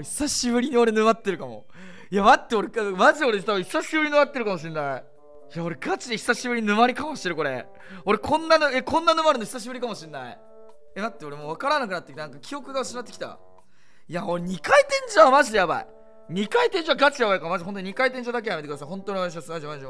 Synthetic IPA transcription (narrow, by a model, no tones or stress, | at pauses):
çi̥saɕibɯ̟ɾʲiɲio̞ɾe̞nɯmat̪ːeɾɯ̟kamo̞̰ | jamat̪ːe̞oɾekmaʑio̞ɾet̪abɯçʲi̥saɕibɯ̟ɾʲinɨ̟mat̪ːeɾkamoɕ̬ĩnːai | jao̞ɾe̞ɡat͡ɕid̪eçi̥saɕibɯ̟ɾʲiɲinɯ̟maɾʲikamoɕieɾɯ̟ko̞ɾe | o̞ɾe̞kʰõ̞nːanɯekʰõ̞nːanɯ̟maɾɯ̟noçi̥saɕ̬ibɯɾʲikamo̞ɕĩnːaḭ | ed̪at̪ːeo̞ɾemoːβ̞akaɾanakɯnat̪ːkʲi̥t̪anãŋkakʲʰio̞kɯ̟ɡaɕinat̪ːe̥kʲi̥t̪a̰ | jaoɾeɲ̟ikait̪ẽ̞ɲ̟d͡ʑiβamaʑid̪ejaba̰ḭ | ɲ̟ikait̪ẽ̞ɲ̟d͡ʑiβaɡat͡ɕijaβaikaɾmad͡ʑʑiɦont̪oɲikait̪ẽɲ̟d͡ʑiad̪ak̬ejamet̪kd̪as̬ãɦõ̞nt̪oɲʲiat̪aɕ̬iasɨnad͡ʑamaẽd͡ʑo